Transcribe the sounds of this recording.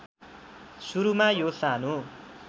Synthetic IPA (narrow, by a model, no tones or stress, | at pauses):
suɾumajosanũ